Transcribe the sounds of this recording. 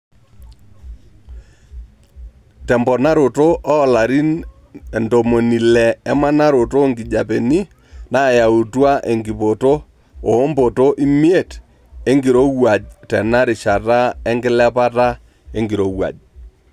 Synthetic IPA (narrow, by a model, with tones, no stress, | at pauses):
tɛ˨mbɔ˨na˦ɾo˨to˦ʔɔː˦˨la˨ɾi˦n | e˨ndo˨mo˨ni˨lɛ˨ɛ˦ma˦na˦ɾo˨to˦˨ŋɡɪ˨d͡ʒa˨pe˨ni˦ | na˦˨ja˨u˨twa˦ʔe˨ŋɡi˨po˨to˦ | oː˨˦mbo˨to˦ʔi˦mi˦e˦˨t | e˦ŋɡi˨ɾo˦wa˨d͡ʒtɛ˨na˦ɾɪ˨ʃa˨ta˦ɛ˦ŋɡɪ˦lɛ˦pa˦ta˦ | e˦ŋɡi˨ɾo˨wa̰˨d͡ʒ